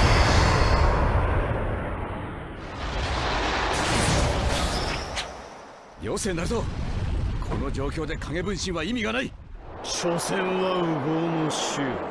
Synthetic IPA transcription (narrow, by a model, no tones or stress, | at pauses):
joːsẽ̞nːaɾɯ̟t̪o | kʰo̞̰no̞d͡ʑo̞ːkʲo̞ːd̪e̞kʰaŋe̞bɯ̟̃ɰ̃ɕĩaimʲiɡanai | ɕosẽɰ̃βaɯɡoːnoɕɨ